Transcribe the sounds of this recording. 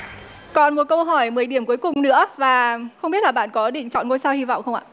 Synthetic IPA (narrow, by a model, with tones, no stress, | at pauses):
kɔ˨˩nmo˨˩t̚kə˧wɦɔ˧˩jmɨ˨˩əjɗi˧˩əmku˨˦əjkʊ˨˩ŋ͡mnɨ̰˧˥əvaː˨˩xə˧ŋ͡mɓi˦˥t̚laː˨˩ɓa̰ː˧˨nkɔ˨˦ɗḭ̈˧˨ŋ̟t͡ɕɔ̰˧˨nŋo˧jsaː˧whi˧va̰˧˨wxə˧wŋ͡ma̰ː˧˨